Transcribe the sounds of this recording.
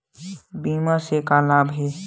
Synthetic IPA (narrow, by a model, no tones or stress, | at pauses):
biːmasekalaːbɦeː